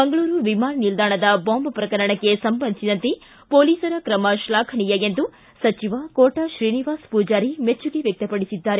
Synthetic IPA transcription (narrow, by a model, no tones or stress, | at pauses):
bɐŋɡɐɭuːɾuʋimaːnɐnild̪aːɳɐd̪ɐboːmbɐpɾɐkɐɾɐɳɐkːesɐmbɐnd̪sid̪ɐnt̪e | poːliːsɐɾɐkɾɐmɐʃlaːkʰɐnijɐjend̪u | sɐt͡ʃiʋɐkoːʈɐʃɾiːniʋaːspuːd͡ʒaːɾimet͡ʃːuɡeʋjɐk̚t̪ɐpɐɽisid̪ːaːɾe